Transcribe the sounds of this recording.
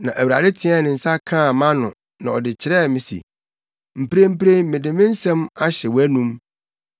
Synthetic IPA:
nã˨ʔæ˨wu˨ɾa̰˨dɪ˦tʰɪ˦ɛ˦nɪ̃˨n̩˨sa˦kʰãː˦˨mã˦nʊ̃˨ | nã˨ɔ˨dɪ˨t͡ɕʰɪ˨ɾɛ˦˨mɪ̃˨sḭ˨ | m̩˨pɾe˦m̩˦pɾe˦mɪ̃˨dɪ˨mɪ̃˦n̩˦sɛ̃˦ma˦ɕɛ˨wæ˦nũ˦m

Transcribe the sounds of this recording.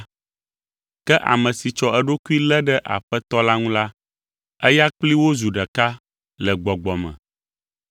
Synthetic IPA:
kɛ˦ʔa̰˨mɛ̃˨si˨t͡ʃɔ˦ɛ˦ɖo˦ku˦i˦lɛ˦ɖɛ˦ʔa̰˨ɸɛ˦t̪ɔ˦la˦ŋũ˦la˦ | ɛ˦ja˦k͡pli˦wo˦zu˨ɖɛ˨ka˦ | lɛ˨ɡ͡bɔ˨ɡ͡bɔ˨mɛ̰̃˨

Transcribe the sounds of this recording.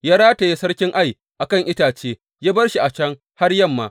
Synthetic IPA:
jaː˦ɽaː˦ta˨ji˦sɐ˦ɽkʲɪ˦ŋʔa˦˨j | ʔa˨kɐ˦˨ŋʔɪ˦taː˨t͡ʃeː˦ | jaː˦bɐ˦rʃi˨ʔa˨t͡ʃɐ˦ŋ | ha˦rjɐ˦mːaː˨

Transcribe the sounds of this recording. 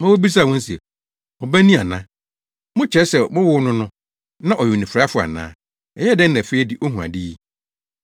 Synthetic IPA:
mã˦wo˦bi˦s̬a˦˨wɔ̃˦n̩˦si˨ɛ̰˨ | ɔ˨bæ˦nĩ˦˨a˨nã˦ | mʊ̃˦t͡ɕʰɛ˨˦sɛ˨mʊ˦wʊ˦nʊ̃˦nʊ̃˦ | nã˦ʔɔ˨jʊ˨nĩ˨fɾa˦fʊ˦a̰˨nã̰ː˦ | ɛ˨jɛ˦dɛ̃˦n˦nã˨fe˦i˦di˦ʔɔ˦ɦũ˨a̰˨di˦i˦

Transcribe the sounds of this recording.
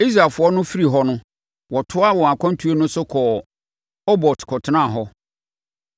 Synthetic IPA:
i˦sɾa˨fʊ˨ɔ˦nʊ̃˦fi˦ɾi˨ɦɔ˦nʊ̃˦ | wɔ˨tʰʊ˦a˦wɔ̃˨a˨kʰʷɔ̃˦n˦tʰu˨˦e˦nʊ̃˦sʊ˦kʰɔː˨ | ɔ˦bɔ˨tkʰɔ˨tʰɪ˨˦nã˦˨ɦɔ˦

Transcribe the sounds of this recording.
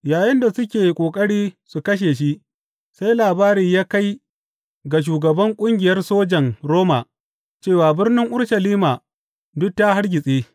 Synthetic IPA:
jaː˨jɐ˦nda˨sʊ˦kʲeː˨kʷʼoː˨kʼɐ˦ɽiː˦su˨kɐ˦ʃ̬eː˨ʃ̬i˦ | sa˦jlaː˨baː˦ɾiː˨jaː˦ka˦j | ɡa˨ʃ̬uː˨ɡɐ˨bɐ˦ŋkʷʼʊ˦ŋɡʲɪ˨jɐ˦rsoː˦d͡ʒɐ˨ŋɾoː˦ma̰˨ | t͡ʃeː˦˨waː˨bɪ˦rnɪ˦ŋʔʊ˦ɽʃɐ˨liː˦ma˨ | dʊ˦k̚ta˦ɦa˦rɡʲɪ˨sʼeː˦

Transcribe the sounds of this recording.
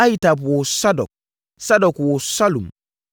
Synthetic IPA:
a˦jta˨bwɔ˨sa˦dɔ˨k̚ | sa˦dɔkwɔ˨salu˨m

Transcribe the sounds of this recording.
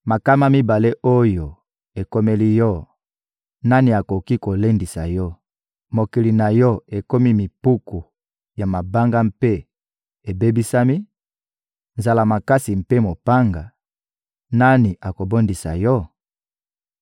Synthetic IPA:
ma˨ka˦ma˦mi˦ba˨le˦ʔo˦jo˨ | e˨ko˦me˦li˦jɔ˦ | na˦ni˨a˨ko˨ki˦ko˨le˦ndi˨sa˨jɔ˦ | mo˨ki˨li˨na˨jɔ˦e˨ko˦mi˦mi˨pu˦ku˨ | ja˨ma˨ba˦ŋɡa˦m̩pe˦ | e˨be˦bi˦sa˦mi˦ | nza˨la˨ma˨ka˦si˨m̩˨pe˦mo˨pa˦ŋɡa˨ | na˦ni˨ʔa˨ko˨bo˦ndi˨sa̰˨jɔ˦

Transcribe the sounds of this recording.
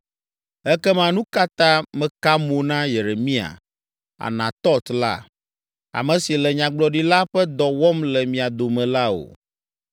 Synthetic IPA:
ɛ˦kɛ˦mã˦nũ˦ka˦t̪ã˦mɛ̃˨ka˦mo˨nã˦je˨ɾe˨mĩ˦a̰˨ | a̰˨nã˨t̪ɔ˦t̪la̰˦ | a̰˨mɛ̃˨si˨lɛ˨ɲã˨ɡ͡blɔ˨ɖi˦la˦ɸɛ˦d̪ɔ˨wɔ˦mlɛ˨mĩ˨a˨d̪o˨mɛ̃˨la˦o̰˨

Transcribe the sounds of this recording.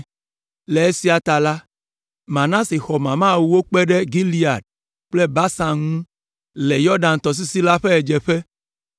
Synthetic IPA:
le˨e˦si˦a˨t̪a˨la˦ | mã˨nã˦si˨xɔ˨mã˨mã˦˨wu˨wo˦k͡pɛ˦ɖɛ˦ɡi˦li˦a˨ɖ̚ | k͡ple˦ba˦sa˨mŋũ˦ | lɛ˨jɔ˦ɖã˨n˨t̪ɔ˨s̬i˦si˦la˦ɸe˦ɛ˨d͡ʒɛ˨ɸɛ˦

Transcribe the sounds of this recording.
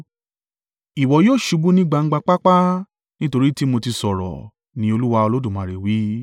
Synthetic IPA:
i˨wɔ˨˦joː˦˨ʃu˨˧˦bu˦nĩ˦ɡ͡ba˧ŋ̩˦ɡ͡ba˧k͡pa˦k͡pa˦ | nĩ˦to˧ɾi˦ti˦mo˧ti˧sɔ˨ɾɔ̰˨ | nĩ˨˦o˧lu˦wa˧o˧lo˦dũ˦˨mã˨ɾe˨wi˨˦

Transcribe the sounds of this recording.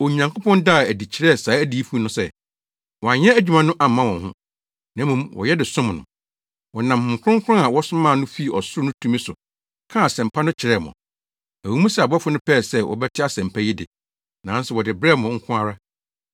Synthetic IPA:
ɔ˨ɲã˨ŋko˦pʰɔ̃˦nda˦˨æ˨di˨t͡ɕʰɪ˨ɾɛ˦˨saː˨˦æ˦di˨˦i˦fu˦nʊ̃˦sɛ˦˨ | wɔ˨a˨ɲɛ̃˦æ˦d͡ʑᶣu˨mã˦nʊ̃˦ʔa˨mã˦wɔ̃˨nhʊ̰̃˦ | nã˦mũ˨mwɔ̰˨jɛ˦dɪ˨sʊ̃˦m˨nʊ̰̃˨ | wɔ˨nã˨mhʊ̃˨ŋ̩˨kʰʊ̃˦ŋ˦kʰʊ̃˦a˨wɔ˦sʊ˦mã˦˨nʊ̃˦fi˦˨ɔ˨sʊ˦ʊ˦nʊ̃˦tʰũ˦mĩ˦sʊ˨ | kʰã˦a˨sɛ̃˨m˨pʰa˦nʊ̃˦t͡ɕʰɪ˨ɾɛ˦˨mɔ̰̃˨ | æ˨wu˨˦mũ˦si˦˨a˨bɔ˦fʊ˦nʊ̃˦pʰɛː˦˨sɛ˦wʔɔ̰˨bɛ˦tʰɪ˦a˦sɛ̃˨m˨pʰæ˦jɪ˦dɪ̰˨ | nã˨˦n˦sʊ˨wɔ˨dɪ˨bɾɛ˦˨mʊ̃˨ŋ̩˦kʰʊ̃˦a˦ɾa˦

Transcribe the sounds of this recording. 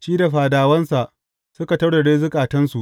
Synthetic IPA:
t͡ʃiː˦da˨ɸaː˨daː˨wɐ˦nsa˨ʔ | sʊ˦ka˨tɐ˦ɽda˨ɽeː˦zʊ˦kʼaː˨tɐ˦nsu˨ʔ

